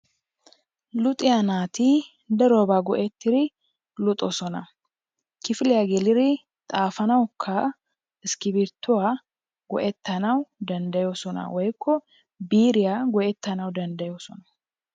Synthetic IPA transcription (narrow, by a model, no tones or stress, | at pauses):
lʊt̪ʼɪjanaːt̪i | d̪ɐɾoːbaːɡɔʔɛt̪ːɪɾɪ | lʊt̪ʼɔsɔnɐ | kɪfɪlɪjaɡɛlɪɾɪ | t̪ʼaːfɐnɐwkʰːɐ | ɪskɪbɪɾt̪ːʊwa | ɡɔ̰ʔɛt̪ːɐnɐwd̪ɐnd̪ɐjoːsɔnɐ̰wɔjkːɔ | biːɾɪjaɡɔʔɛt̪ːɐnɐwd̪ɐnd̪ɐjoːsɔnɐ